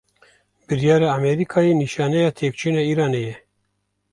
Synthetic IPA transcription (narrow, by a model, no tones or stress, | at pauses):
bɨɾijɑːɾɑːamɛɾikʰɑːjeniʃɑːnɛjɑːt̪ʰeːk̚t͡ʃʰɨnɑiːɾɑːnejɛ